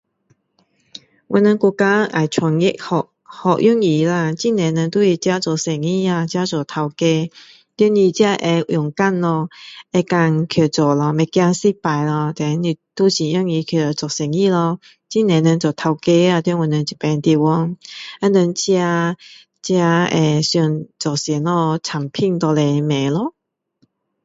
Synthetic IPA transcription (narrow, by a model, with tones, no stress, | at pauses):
wʔʊ˧˩nə˧kɔ˧ka˦a˨jt͡ɕʰwa˨˩ŋi˦˥k̚hɔ˨ʔ̚ | hɔ˨ʔ̚jɔ˥ŋi˨˩˦la˧˩t͡ɕi˥nɛ̃˨˧˦nə˧nt̪u˦i˧˩t͡ɕja˦t͡sɔ˨sɛ˨˩ŋi˧˩a˧t͡ɕja˦t͡sɔ˨˩t̪ʰa˧wke˧ | t̪i˧˥˦ni˧˩t͡ɕja˧ʔɛ˧jʊ˨˩ŋka˥˨nlɔ˧ɛ˧ka˧ŋkʰjɔ˨˩t͡sɔ˨˩lɔ˧mɛ˨˩kja˧si˦˥pa˨˩jlɔ˧t̪ɛ˨˧˦ni˧t̪u˦ɕi˨˩jɔ˧˦ŋi˧kʰjo˨˩˨t͡sɔ˨˩k̚sɛ˨˩ŋi˥˧lɔ˧ | t͡ɕi˥˨nɛ̃˨˦nə˧nt͡sɔ˨˩t̪ʰa˧wke˧a˧t̪nwə˨nə˧nt͡ɕi˨˩pɛ˧nt̪i˧wɔ˧˦ŋa˧˦nə˧nt͡ɕja˧˦ | t͡ɕja˧e˧ɕu˧˩nt͡sɔ˨sɛ˨˦nlɔ˧t͡sʰa˨˩ŋpʰi˥˧nt̪ɔ˧lɛ˧mɛ̃˨˦lɔ˧˦